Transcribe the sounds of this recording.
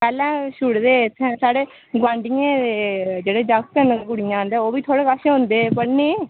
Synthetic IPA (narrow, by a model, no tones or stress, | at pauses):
pɛːlɛ̃ːʃʊɽd̪eːt̪ʰːɛ̃saːɽeː | ɡãːɳɖɪjẽːd̪ed͡ʒeːɽeːd͡ʒak̚k̪ənɡʊɽɪjãːnd̪eːoːʋiːt̪ʰoːɽeːkaʃẽɦʊ̃nd̪eːpəɽneː